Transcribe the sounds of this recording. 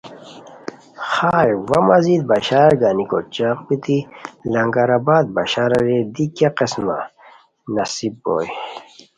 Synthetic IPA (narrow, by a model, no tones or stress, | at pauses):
xaːjwɐmɐzid̪̚bɐɕaːɾɡanikot͡ɕaqbit̪ilɐŋɡaɾabaːd̪̚ba̰ɕaɾɐɾed̪ikaqesma̰ | nɐsibːo̰ːj